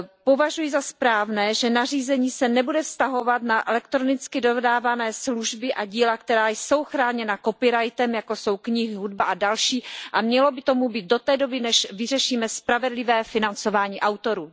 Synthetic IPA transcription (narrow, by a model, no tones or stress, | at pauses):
po̞vaʒujɪzaspɾaːvnɛːʒɛnariːzɛɲiːsɛnɛbudɛfst̪aɦo̞vat̪naʔɛlɛkt̪ɾo̞nɪt͡skɪdo̞daːvanɛːsluʒbɪʔaɟiːlakt̪ɛɾaːjso̞wxɾaːɲɛnako̞pɪɾajt̪ɛmjako̞so̞wkɲɪɦɦudbaʔadalʃiːʔamɲɛlo̞bɪt̪o̞mubiːt̪̚do̞t̪ɛːdo̞bɪnɛʃvɪrɛʃiːmɛspɾavɛdlɪvɛːfɪnant͡so̞vaːɲiːʔawt̪o̞ɾuː